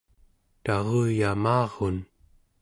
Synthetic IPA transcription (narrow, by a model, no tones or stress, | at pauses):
t̪ɑʁuːjamɑːʁon